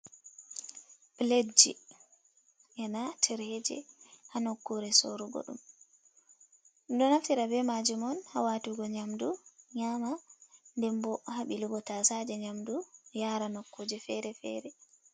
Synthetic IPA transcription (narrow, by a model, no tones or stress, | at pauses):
bled͡ʒḭ | ʔɛnatʰɛɾɛd͡ʒɛ̰hanokːuɾɛsoɾuɡɔ̰ɗṵm | dɔnaftiɾabɛmad͡ʒimɔnha̰watuɡɔɲamduɲaːmandɛmbɔhaɓilubɔtasad͡ʒɛɲamdujaɾanɔkːod͡ʒɛfɛɾɛfɛ̰ɾɛ